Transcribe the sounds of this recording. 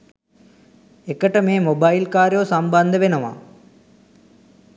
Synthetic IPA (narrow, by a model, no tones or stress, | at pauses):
ekəʈəmeːmobajlkaːɾjoːsɐmband̪əʋenɐʋa̰